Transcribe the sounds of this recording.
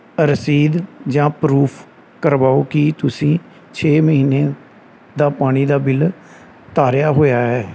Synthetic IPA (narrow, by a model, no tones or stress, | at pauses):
əɾsiːd̪d͡ʒãːpɾuːpʰ | kəɾbaːoːkɪt̪ʊsĩː | t͡ʃʰeːməɦiːneː | d̪aːpaːɽ̃iːd̪aːbɪl | t̪aːɾjaːɦoːjaːɦɛː